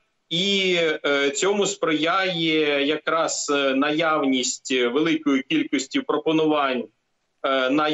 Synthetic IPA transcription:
i | t͡sʲɔmʊspɾɪjajɛjɐkɾɑz̥nɐjawnʲisʲtʲʋelˠɪkɔjʊkʲilʲkɔsʲtʲiwpɾɔpɔnʊʋɑnʲ | nɐ

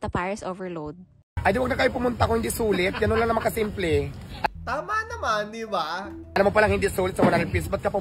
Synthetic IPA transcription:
t̪ɐpaɹɛsʔovɛlowd̪̚ | ʔɐd̪ɪwɐɡ̚nɐkɐjopʊmʊnt̪akoŋhɪnd̪iːsuːlɪt̪̚ɡɐnonlɐŋnɐmɐŋkɐsimplɛʔʔɐt̪aːmanɐmand̪ɪbaɐlɐmopɐlaŋhɪnd̪isuːlɪt̪sɐmɐnɐɾɪpisbɐt̪̚kɐpɐ

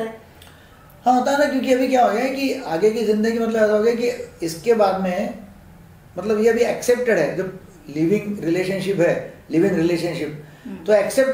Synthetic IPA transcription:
hãːɦoːt̪aɦnakjõːk̬iɐbʱikjaɦoːɡjaɦɛkiaːɡekizɪ̃nd̪əɡimɐt̪̬ləbɛːsaɦoːɡjaɛkiɪskebaːd̪mẽ | mɐt̪ləbjeɐbʱiɛkseːp̚ʈeɖɦɛːd͡ʒob | liːʋɪ̃ŋɡɾɪleːʃənʃɪpɦɛːliːʋɪ̃ŋɡɾɪleːʃə̃nʃɪp̚t̪oɛkseːp̚ʈ

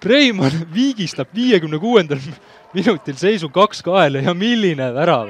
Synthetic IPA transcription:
pre̞jmɑnviːɡ̥ist̪ɑb̥viːjekymnekuːe̞nd̪̥ɑl | minut̪ːˑilse̞js̬ukɑkskɑelejɑmilːinevæɾɑ

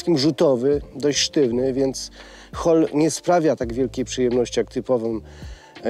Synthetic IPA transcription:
skʲimʐut̪ɔvɘd̪ɔɕt͡ɕʂt̪ɘvnɘvʲjɛnt̪s | xɔlɲɛspɾavʲjat̪aɡvʲjɛlkʲejpʂɘjɛmnɔɕt͡ɕijakt̪ɘpɔvɔ̃

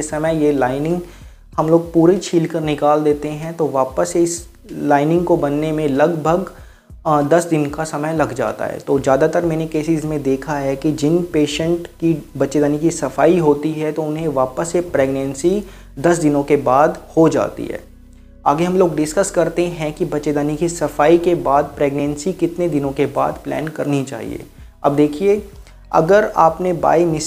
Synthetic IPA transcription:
esɐməjjelaːɪnɪ̃ŋɡ | hɐmloːɡ̚puːɾit͡ʃʰiːlkəɾnɪkaːld̪eːt̪eɦɛ̃t̪oʋaːpəseɪs | laːɪnɪ̃ŋɡkobɐnːemẽlɐɡbʱəɡ | d̪ɐsd̪ɪnkasɐməjlɐɡd͡ʒa̰ːt̪a̰ɦɛ̰ːt̪oːzjaːd̪at̪əɾmɛːnekeːsɪzmẽd̪eːkʰaɦɛkid͡ʒɪnpeːʃə̃ɳʈkibɐtːʃed̪aːnikisɐfaːiɦoːt̪iɦɛt̪oʊnɦẽʋaːpəsːepɾeːɡnɛ̃nsi | d̪ɐsd̪ɪnõkebaːd̪hod͡ʒa̰ːt̪ḭɦɛ̰ː | a̰ːɡeɦɐmloːɡɖɪskəskɐɾt̪eɦɛ̃kibɐtːʃed̪aːnikisɐfaːikebaːd̪̚pɾeːɡnɛ̃nsikɪt̪ned̪ɪnõkeba̰ːd̪plɛ̰ːnkɐɾnit͡ʃa̰ːɦḭḛː | ɐ̰b̚d̪eːkʰie | ɐ̰ɡəɾaːpneba̰ːimɪ

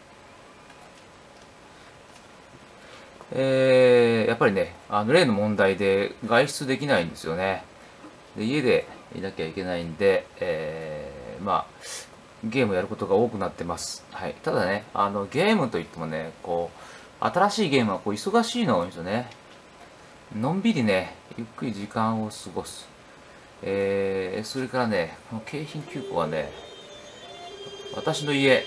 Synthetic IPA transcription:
eːjʔapːaɾʲine̞ano̞ɾe̞ːno̞mõ̞nd̪aid̪e̞ɡaiɕt͡sɨd̪e̞kʲinaĩnd̪e̞sɨjo̞ne̞ | d̪e̞ie̞d̪e̞ḭnakʲe̞aikʲe̞naind̪e̞ː | ma̰ | ɡe̞ːmɯojaɾɯ̟ko̞t̪o̞ɡao̞ːkɯ̟nat̪ːe̞masɨ̥haḭt̪ad̪ane̞a̰no̞ɡe̞ːmɯ̟t̪o̞it̪ːemo̞ne̞ko̞ː | a̰t̪aɾaɕiːɡe̞ːmɯ̟βako̞ːiso̞ɡaɕiːno̞ĩsone̞ | nõ̞mbʲiɲʲine̞jɯ̟̰kːɯ̟ɾʲiʑikãɰ̃o̞sɨɡo̞sɨ̥ | eso̞ɾe̞kaɾane̞ko̞no̞kʰe̞ːçĩŋkʲɨːko̞̰β̞a̰ne̞̰ | βa̰t̪aɕino̞ie̞

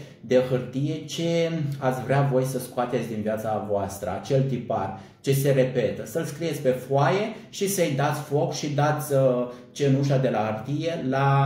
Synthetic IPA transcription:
d̪e̞xɨrt̪ije̞t͡ʃe̞at̪sʲvɾeavo̞jsəskoat̪e̞t̪sʲd̪inviat̪savoast̪ɾə̰at͡ʃe̞lt̪ipar | t͡ʃe̞se̞ɾe̞pe̞t̪əsəlskɾijesʲpe̞faje̞ | ʃisəjd̪at̪sʲfo̞kʃid̪at̪sʲə | t͡ʃe̞nuʃad̪e̞laərt̪ije̞la

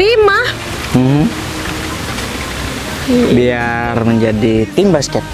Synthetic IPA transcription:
imah | m̩hm̩ | biarməɲd͡ʒadit̪iŋbaskɛt̪̚

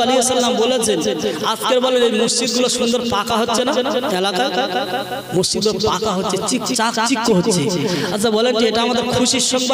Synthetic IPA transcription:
aliesalːamboled͡ʑeat̪keɾbɔleɾejmosd͡ʑid̪̚ɡuloʃund̪oɾpakaɦotːɕʰenanɛlakaa | mosd͡ʑid̪̚ɡulpakaɦotːʃʰet͡ɕikt͡ʃakt͡ɕikːoɦotːɕʰeat͡ɕʰabɔleɳʈieʈaamad̪eɾkʰuʃiʃɔŋb

